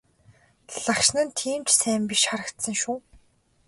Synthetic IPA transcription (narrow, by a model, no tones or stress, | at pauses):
ɮakʃnə̆nt̪ʰiːmt͡ɕsæːmpiʃχaɾə̆kt̪sə̆ŋʃuː